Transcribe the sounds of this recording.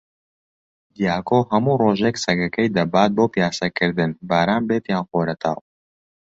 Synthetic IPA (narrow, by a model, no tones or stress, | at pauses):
d̪ijaːkʰoːɦɐmuːroːʒeksɐkɐkʰɛjd̪ɐbaːt̪̚boːpijaːsɐkʰɨɾd̪ɨnbaːɾaːnbeːt̪jaːnxoːɾɐt̪ʰa̰ːw